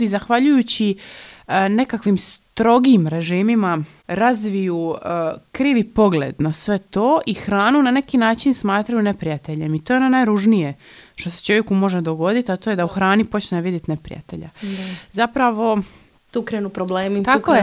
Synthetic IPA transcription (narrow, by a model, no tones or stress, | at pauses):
izaxʋaʎujut͡ɕi | ne̞kakʋimst̪ɾo̞ɡiːmɾe̞ʒiːmima | ɾazʋiju | kɾiːʋipo̞ɡlḛd̪nasʋe̞t̪o̞ːʔixɾaːnunane̞kinaːt͡ʃinsmaːt̪ɾajune̞pɾijat̪e̞ʎemit̪ojenonajɾuʒnije | ʃt̪o̞set͡ʃo̞ʋje̞kumo̞ʒed̪o̞ɡo̞d̪it̪at̪o̞ːje̞d̪auxɾaːnipo̞t͡ɕnʋid̪jet̪ne̞pɾḭja̰t̪e̞̰ʎa̰zapɾaʋo̞ | t̪ukɾenupɾobleːmit̪akoje